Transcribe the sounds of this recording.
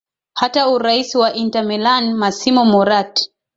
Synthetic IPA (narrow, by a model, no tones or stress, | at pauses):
hatauɾaisiwaʔintamɛlanmasimɔmɔɾat